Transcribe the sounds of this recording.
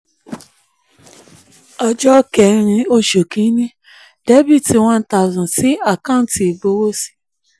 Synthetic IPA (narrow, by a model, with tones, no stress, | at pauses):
ɔ˧d͡ʒɔ˦kɛ˨ɾ̃ĩ˧o˦ʃo˨kĩ˨˦nĩ˦ | d̥e˦bi˦˨ti˨w̃ɔ̃˧n̩˦ta˨zũ˨ti˦a˦˨kã˦˨n̩˦ti˨i˨bo˨˦wo˦si̥˦